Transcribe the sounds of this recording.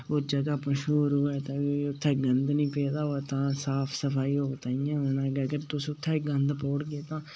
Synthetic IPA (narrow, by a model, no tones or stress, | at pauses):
od͡ʒəɡaːpãːʃuːɾoːɛːt̪ãːʊt̪ʰːɛːɡənd̪nĩːpeːd̪aːot̪ãːsaːpʰsəpʰaːiːɦoːɡt̪aːiãːnãːɡəɡəɾt̪ʊsʊt̪ʰːɛːɡənd̪pɔːɽɡeːt̪ãː